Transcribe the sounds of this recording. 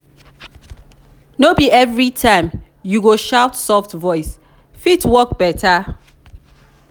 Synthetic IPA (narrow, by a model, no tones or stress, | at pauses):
nobiɛvɹitʰãɪ̃m | juɡoʃaʊtsɔftvɔɪs | fitʰwɔk̚b̥ɛtʰə